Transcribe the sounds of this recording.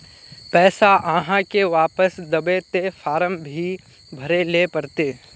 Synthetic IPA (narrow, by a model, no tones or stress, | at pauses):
pɛːsaʔãːɦãkeʋaːpəsd̪ɐbet̪efaːɾəmbʱi | bʱɐɾelepɐɾt̪eː